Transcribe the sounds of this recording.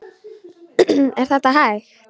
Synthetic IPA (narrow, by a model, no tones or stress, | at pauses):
eɾt̪at̪aɦaj